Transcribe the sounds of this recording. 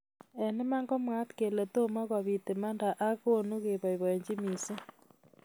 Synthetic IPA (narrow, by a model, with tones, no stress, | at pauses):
e˨ne˦ma˦ŋɡo˦mwa˦tke˨le˨to˦ma˦ɣwa˨βi˨te˨ma˦nda˨ʔa˦ɣonu˦ɣe˨βa˨i˨βe˨ɲd͡ʒi˦mi˨si˦